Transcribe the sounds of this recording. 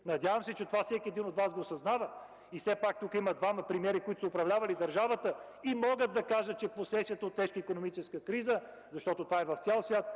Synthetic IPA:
nɐd̪ʲjavɐmsɛt͡ʃɛt̪ovafsɛkʲiɛd̪inot̪vasɡosɐznavə | ifsɛpak̚t̪ukəimɐd̪vamɐpɾimʲɛɾikoit̪o̥səopɾɐvlʲavɐlid̪ɐɾʒavət̪ə | imɔɡəd̪̚d̪ɐkaʒət̪̚t͡ʃɛposɛsiət̪əot̪ːɛʃkəikonomit͡ʃɛskəkɾizə | zɐʃt̪ɔt̪ot̪ovaɛvɐft̪sʲɛlˠsvʲjat̪̚

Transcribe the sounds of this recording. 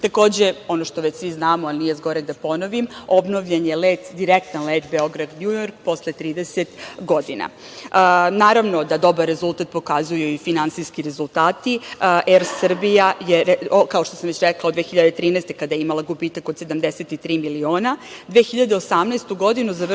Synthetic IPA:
t̪ako̞ːd͡ʑeo̞noʃt̪oʋet͡ɕsʋiznaːmoalnije̞zɡo̞ɾeɡ̚d̪apo̞noʋimo̞bno̞ʋʎenjeleːt̪d̪iɾek̚t̪anleːt̪beo̞ɡɾad̪ɲujoɾk̚po̞slet̪ɾiːd̪eset̪ɡo̞d̪ina̰ | naːɾaʋno̞d̪ad̪o̞baɾːezulˠt̪at̪̚po̞kazujuifinansiskiɾe̞zulˠt̪aːt̪iʔeɾsr̩bijajeɾkao̞ʃt̪o̞samʋet͡ɕɾeklˠaod̪ʋeːxiʎad̪et̪ɾiːnɛːst̪e̞kad̪ajeimalˠaɡubiːt̪akod̪se̞d̪amd̪eset̪it̪ɾiːmilioːnad̪ʋexiʎad̪eosamnest̪uɡo̞d̪inuzaʋ

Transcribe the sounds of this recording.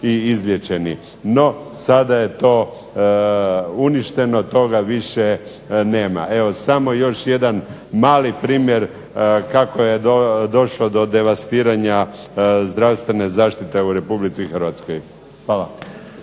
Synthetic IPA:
iizlʲjet͡ʃe̞nḭ | no̞sad̪aje̞t̪o̞ː | uniʃt̪e̞no̞t̪o̞ɡaʋiʃe̞ | ne̞ːma̰ʔe̞ʋo̞samo̞jo̞ʃje̞d̪an | maːlipɾiːmje̞ɾ | kakojeod̪o̞ʃlod̪o̞d̪e̞ʋast̪iːɾaɲazd̪ɾaʋst̪ʋe̞ne̞zaːʃt̪it̪e̞uɾe̞publit̪sixr̩ʋat̪sko̞j | xʋaːla

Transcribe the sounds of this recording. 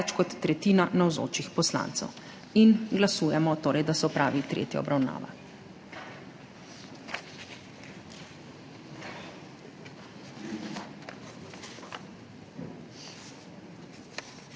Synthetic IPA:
t͡ʃkɔt̪ːɾɛt̪iːnanawzo̰ːt͡ʃixpɔsla̰nt̪sɛ̰w | inɡlasuːjɛmɔt̪oːɾɛjd̪asɔpɾa̰ːʋit̪ɾḛːt̪ja̰ɔbɾawna̰ːʋa̰

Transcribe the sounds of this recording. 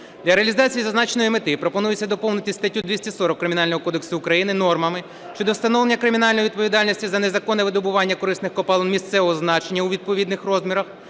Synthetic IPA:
d̪lʲɐɾeɐlʲizɑt͡sʲijizɐznɑt͡ʃenɔjimɪt̪ɪpɾɔpɔnujɪt͡sʲːɐd̪ɔpɔwnʊtʲist̪ɐtʲːud̪ʲʋʲisʲtʲisɔɾɔkːɾɪmʲinɑlʲnɔɦɔkɔd̪e̞ksʊːkɾɐjinɪnɔrmɐmɪ | ʃt͡ʃɔd̪ɔwst̪ɐnɔʋlˠenʲːɐkɾɪmʲinɑlʲnɔjiʋʲid̪̚pɔʋʲid̪ɑlʲnʲisʲtʲizɐnezɐkɔnɛʋɪd̪ɔbʊʋɑnʲːɐkɔɾɪsnɪxkɔpɑlˠɐnmʲist̪sɛʋɔɦɔznɑt͡ʃenʲːɐuʋʲid̪̚pɔʋʲid̪nɪxrɔzmʲiɾɐx

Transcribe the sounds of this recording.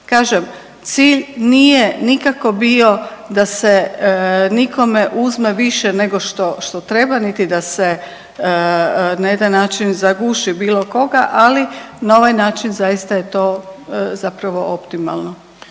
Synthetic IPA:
kaːʒem | t̪siːʎnijenikako̞bio̞d̪ase | nikʰo̞me̞ʔuzme̞ʋiʃene̞ɡo̞ʃt̪o̞ʃt̪o̞t̪ɾe̞banit̪id̪ase | naje̞d̪anːaːt͡ʃinzaɡuʃibiːlˠo̞ko̞ɡaʔalinao̞ʋajnaːt͡ʃinzajist̪aje̞t̪o̞zapɾaʋo̞ʔo̞pt̪ima̰lˠno

